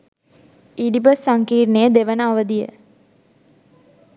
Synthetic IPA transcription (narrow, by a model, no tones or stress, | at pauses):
iɖibəsːaŋkiːrnejəd̪eʋənəaʋəd̪ijə̰